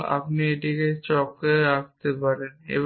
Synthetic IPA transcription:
a̰pnieʈiket͡ɕɔkeakt̪epaɾenḛb

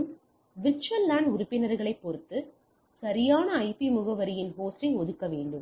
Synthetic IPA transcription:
m | ʋɪt͡ʃɐlaːɳɖʊɾʊpːɪnɐɾɣɐɭɐɪpːɔɾɯt̪ːɯ | sɐɾɪjaːnɐːɪpimʊɣɐʋɐɾɪjɪnɦoːsʈɪɪɔðɯkːɐʋeːɳɖɯm

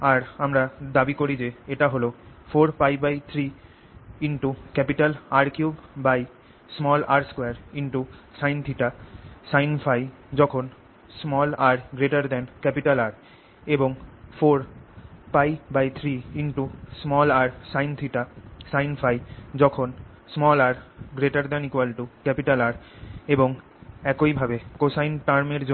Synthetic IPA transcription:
aɾamɾad̪abikoɾid͡ʑeeʈaɦolofoɾpajbajt̪ʰɾi | iɳʈukɛpiʈalaɾkjubbaj | smɔlaɾskweaɾiɳʈusajnt̪ʰiʈasajnfaj | d͡ʑɔkʰon | smɔlaɾɡɾeʈaɾd̪ɛnkɛpiʈalaɾ | eboŋfoɾpajbajt̪ʰɾiiɳʈusmɔlaɾsajnt̪ʰiʈasajnfajd͡ʑɔkʰon | smɔlaɾɡɾeʈaɾd̪ɛnikwalʈukɛpiʈalaɾ | eboŋ | ɛkoibʱabekosajnʈaɾmeɾd͡ʑo

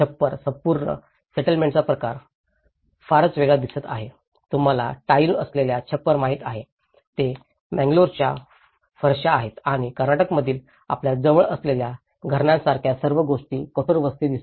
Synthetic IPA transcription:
t͡ɕʰəpːəɾsəmpuɾɳə̰ | seʈəlmẽɳʈt͡sapɾəkaɾ | faɾət͡sʋeɡɭad̪isət̪a̰ɦe | t̪um̤ala̰ʈailəsleljat͡ɕʰəpːəɾmaɦit̪aɦe | t̪e | mæ̃ŋɡloɾt͡ɕja | fəɾɕaːɦet̪aɽ̃ikəɾnaʈəkməd̪ʱiːl | a̰pljad͡zəʋəɭəslelja | ɡʱəɾɳãsaɾkʰjasəɾʋəɡoʂʈiːkət̪oɾʋəst̪id̪is

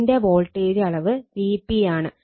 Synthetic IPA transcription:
nde̞ʋo̞ːlʈːeːðiɐɭɐʋɨʋiːpːijaːɳɨ

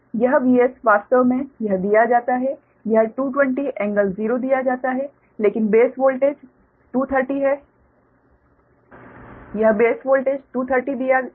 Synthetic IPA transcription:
jɐɦbiːesʋaːst̪əʋmẽjɐɦd̪ijad͡ʒaːt̪aɦɛ | jɐɦʈuːʈ̬wɛ̃ɳʈiʔɛ̃ːŋɡəlziːɾod̪ijad͡ʒaːt̪aɦɛ | leːkɪnbeːsʋoːlʈeːd͡ʒ | ʈuːt̪ʰəɾʈiɦɛ | jɐɦbeːsʋoːlʈeːd͡ʒʈuːt̪ʰəɾʈid̪ija

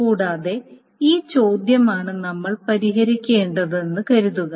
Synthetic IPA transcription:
kuːɽaːðe̞ | iːt͡ɕo̞ːd̪jɐmaːɳɨnɐmːɐɭpɐɾiɦɐɾikʲːe̞ːɳɖɐðenːɨkɐɾuðuɣɐ

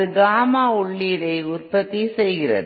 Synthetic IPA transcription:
ɯɡaːmaːʊɭːiːɾɐɪʊrpɐt̪ːisɛjɣɪrɐ̰ð

